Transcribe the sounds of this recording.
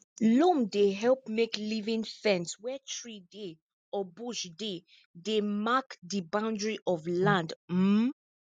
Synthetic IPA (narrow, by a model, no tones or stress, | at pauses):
lõmdeɦɛlp̚meklivĩnfɛ̃nswɛtʰɹide | ɔbuʃde | demakdibãʊ̃ndɹiʔɔvlãndm̩